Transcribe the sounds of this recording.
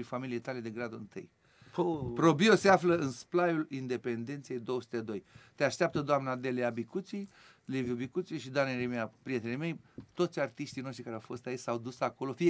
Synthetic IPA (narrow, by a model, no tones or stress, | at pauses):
infamiliejt̪ale̞d̪e̞ɡɾad̪oɨnt̪ɨ̰j | pɾo̞bioseafləɨnsplajulind̪e̞pe̞nd̪e̞nt̪sijejd̪o̞wəsu̥t̪ed̪o̞jt̪eaʃt̪eap̚t̪əd̪oamnad̪eleabikut̪sij | leviubikut̪siiʃid̪oaneɾemeapɾije̞t̪elejme̞jt̪o̞t̪sʲart̪iʃt̪ijno̞ʃt̪ɾikaɾawfo̞st̪ait͡ʃʲsawd̪usako̞lo̞fi